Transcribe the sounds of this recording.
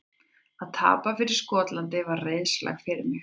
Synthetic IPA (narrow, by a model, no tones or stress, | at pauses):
aðt̪ʰa̰ːpafɪɾɪɾ̥skɔːt̪lant̪ɪvaɾreːjðsla̰ɣfɪɾɪmɪx